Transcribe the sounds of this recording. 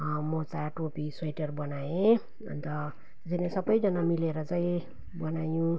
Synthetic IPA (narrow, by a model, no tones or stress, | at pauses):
mot͡saʈopiswʌjʈʌrbʌnaẽ | ʌ̰nt̪ʌ | t̪esanesʌbʌjd͡zʌnamileɾʌt͡saĩ | bʌnajũ